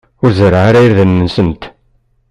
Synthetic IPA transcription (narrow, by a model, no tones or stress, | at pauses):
ʊɾzəɾaaɾajɾðənːəsənt̪